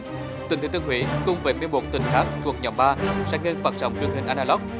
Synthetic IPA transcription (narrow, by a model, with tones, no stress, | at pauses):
t̪i˨˩ŋt̪ʰi˨˦t̪ɨ˧ɦwḭ˧˦kʊ˧ŋ͡mveː˨˦me˧mo˨˩t̚t̪ï˨˩ŋ̟t̪ʰaː˦˥k̚t̪ʰu˨˩ək̚ɲɔ̰˨˩m̚ɓaː˧sɛ̰ː˧˥ŋe˧nfaː˨˩t̚sə̰˨˦wŋ͡mt͡ɕwi˨˩əŋhï˨˩ŋ̟ʔaː˧nʔaː˧lɔ˦˥k͡p̚